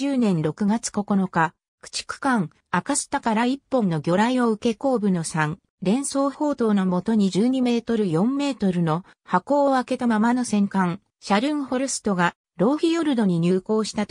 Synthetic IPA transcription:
ɨːnẽ̞nɾo̞kɯ̟ɡat͡sɨ̥ko̞ko̞no̞ka | kɯ̥t͡ɕi̥kɯ̥kãŋ | akaɕi̥t̪akaɾaipːõ̞nːo̞ɡʲo̞ɾaio̞ɯ̟ke̞ko̞ːbɯ̟no̞sãŋ | ɾẽ̞ɰ̃so̞ːho̞ːt̪o̞ːnomo̞t̪o̞ɲ̟iʑɨːɲ̟ime̞ːt̪o̞ɾɯ̟jõ̞mːe̞ːt̪o̞ɾɯ̟no̞ | hako̞ːake̞t̪amamano̞sẽ̞ŋkãŋ | ɕaɾɯ̟̃ɰ̃ho̞ɾɯsɨ̥t̪o̞ɡa | ɾo̞ːçijo̞ɾɯ̟d̪o̞ɲ̟iɲ̟ɨːko̞ːɕi̥t̪at̪

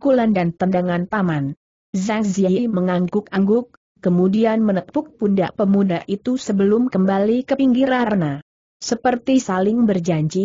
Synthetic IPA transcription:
kulandant̪andaŋant̪aman | zaŋziaiməŋaŋɡʊkaŋɡʊkː | əmudianmənək̚tʊk̚punda̰ʔpəmudaʔit̪usəbəlʊmkəmbalikəpiŋɡiɾana | səpərt̪isalɪŋbərd͡ʒaɲd͡ʒi

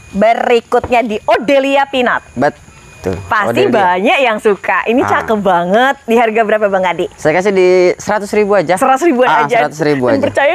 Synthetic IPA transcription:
bərikʊt̪̚ɲadiʔodeliapina̰t̪̚bət̪ | ʊ̰lpasd̪ibaɲaʔjaŋsukaʔinit͡ʃakəbaŋət̪̚diɦarɡabəɾapabaŋadisajakas̬ɪdisəɾat̪ʊsɾibuad͡ʒasəɾat̪ʊsɾibuaad͡ʒaat̪ʊsɾibuapərt͡ʃaja

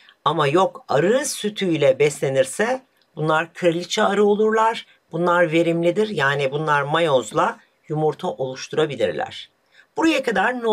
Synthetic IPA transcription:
amajo̞kaɾɯsyt̪ʰyjlʲɛbɛslʲe̞niɾsɛ | bunlˠaɾkʰɯɾlʲit͡ʃʰaːɾɯo̞lˠuɾlˠaɾ̥ | b̥unlˠaɾve̞ɾimlʲid̪iɾjaːnibunlˠaɾmajozlˠa | jumuɾt̪ʰaʔo̞lˠuʃt̪ʰuɾabilʲḭɾlʲæ̰ɾ̥ | b̥uɾajakad̪aɾn

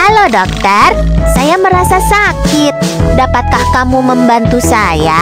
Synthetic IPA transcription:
alodok̚t̪ərsajaməɾasasakɪt̪̚dapat̪̚kahkamuməmbant̪usaja

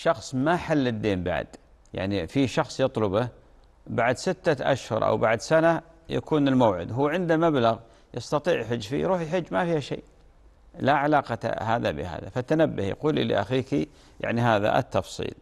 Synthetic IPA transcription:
ʃɑxsˤmaħalːɪd̪ːeːmba̰ʕd̪̥ | ja̰ʕnifiʃɑxsˤjɑt̪ˤlʊba | baʕd̪sɪt̪ːaʔa̰ʃhʊɾˤʔa̰wbaʕd̪sana | ja̰kʰuːnɪlmowːʕɪ̰d̪ɦuːʕɪnd̪amablaɣ | jɑst̪ɑt̪ˤiːʕjħʊd͡ʒːfḭɾuːħjħʊd͡ʒːmafiːhaʃḛː | laʕalaːqɑ̰haːða̰bɪ̰ha̰ːða̰fat̪anabːahjɑ̰quːlːḭlɪ̰ʔaxiːki | ja̰ʕniɦaːða̰ʔt̪ːɑfsˤḭːl

